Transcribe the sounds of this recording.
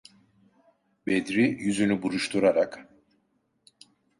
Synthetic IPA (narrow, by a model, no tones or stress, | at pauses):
bed̪ɾijyzynybuɾuʃt̪ʰuɾaɾak